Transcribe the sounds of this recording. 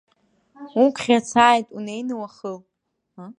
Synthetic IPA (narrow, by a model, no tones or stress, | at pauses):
ukʷʰʼχʲat͡sʰaːjtʼunejnɨwaχəl | a